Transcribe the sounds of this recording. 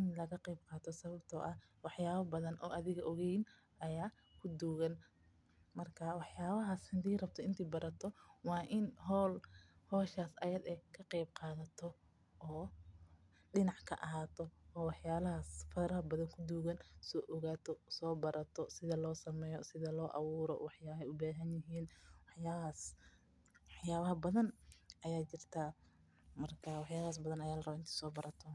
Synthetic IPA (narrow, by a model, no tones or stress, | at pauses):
ɪnlɐɣɐqɛjbqɑːt̪ʰɔsɐβɐbt̪ʰɔʔɐ | wɑħjaːβɐbɐðɐnʔɔːʔɐðɪɣɐʔɔɣɛjn | ʔɐjaː | kʰʊd̪uːɣɐn | mɐrkʰɐwɑħjaːβɐɦaːshɪnd̪iːrɐb̚t̪ʰɔɪnt̪ʰiːbɐɾɐt̪ʰɔwɑːʔɪnɦɔːlhɔːʃaːsʔɐjɐd̪ɛkʰɐqɛjb̚qɑːðɐt̪ʰɔ | ʔː | ɖɪnɑʕkʰɐʔɐɦaːt̪ʰɔɔːwɑħjaːlɐɦasfɐɾɐɐbɐðɐŋkʰʊd̪uːɣɐnsɔːʔɔɣaːt̪ʰɔsɔːbɐɾʔɐt̪ʰɔsɪðɐlɔːsɐmɛːjɔsɪðɐlɔːʔɑ̰wuːɾɔ̰wɑħjaːɐɛjʊbaːɦɐnjɪɦiːnwɑħjaːaːs | wħjaːβɐɦɐbɐðɐnʔɐjaːt͡ʃɪr̥t̪ʰɐ | mɐrkʰɐwɑħjaːlaːs̬bɐðɐnɐjaːlɐrɐbɐɪnt̪ɛ̥sɔːbɐɾɐt̪ʰɔ